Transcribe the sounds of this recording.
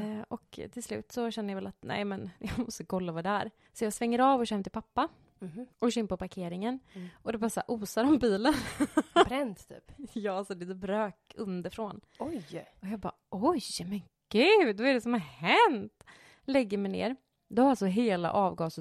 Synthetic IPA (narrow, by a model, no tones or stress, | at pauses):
ʔɔkt̪ʰɪlslʉ̟̰ːt̪sɔɕɛnːəjavɛlat̪nɛ̰ɪmɛnjɑːɡmɔst̪əkʰɔlːavaːd̪ɛæɾ | sɔjɑːɡsvɛŋːəɾɑːvɔʃhɛmt̪ʰɪlpʰapːa | ʔɔʃɪnpɔpaɾkʰeːɾɪŋənɔd̪ɛbɑɾasa̰ʔuːsaɾɔmbiːlənɾɛnt̪t̪ʰy̰ːpjɑːalsɔd̪ɛd̪ɛbɾøːkɵnd̪əɾfɾoːn | ɔjɔjɑːɡbɑ̰ːɔjmɛn | ɡ̥ʉvaɛɖɛsɔmhaɾhɛnt̪ | lɛɡːəɾmɛjnḛːɾ | d̪ɛhaɾalsɔɦeːla̰ʔɑːvɡɑːsə